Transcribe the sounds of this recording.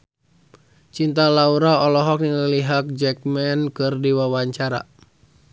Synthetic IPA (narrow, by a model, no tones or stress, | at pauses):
t͡ʃint̪alauɾaɔlɔɦɔk̚niŋəliɦak̚d͡ʒɛk̚mɛnkɨrdiwawaɲt͡ʃaɾa̰